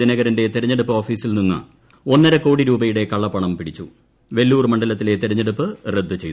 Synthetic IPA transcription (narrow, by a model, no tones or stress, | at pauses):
inɐɣɐɾɐnde̞t̪iɾɐɲːeɽupːɨo̞ːfiːsilninːɨ̰ | o̞nːɐɾɐko̞ːɽiɾuːbɐjuɽe̞kɐɭːɐpːɐɳɐmpiɽit͡ɕːṵ | ʋe̞lːuːrmɐɳɖɐlɐt̪ːilet̪iɾɐɲːeɽupːɨred̪ʱːut͡ɕe̞jt̪u